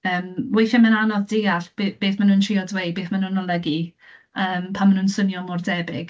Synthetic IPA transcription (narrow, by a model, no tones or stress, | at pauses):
əːmwejθɪmənanɔðdɪɡaɬb̥eb̥eːθmanuːntʰriɔdwej̚beːθmanunɔlˠəɡi | əːmpʰamːanuːnsənjɔmʊrdɛbɪɡ̥